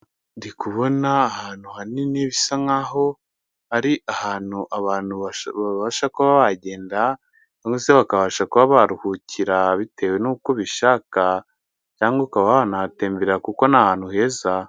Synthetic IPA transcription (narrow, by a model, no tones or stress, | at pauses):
ndikuβo̞naːhaːn̥huhaniniβisaŋaːɦo̞ | aɾiʔahaːn̥huʔaβaːnhuaβaβaʃakuβaβaɟe̞ːnda | caːŋɡeseβakaβaʃakuβaβaɾuhucʰiɾaβite̞ːwe̞nuːkoβiʃaka | caːŋɡekaβaβanaate̞ːmbeɾɾakuko̞naːhaːn̥huhe̞ːza